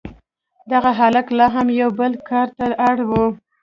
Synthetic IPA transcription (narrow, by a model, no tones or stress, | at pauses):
d̪aɣaɦalaklɑɦamjawbəlkɑɾt̪aaɽwu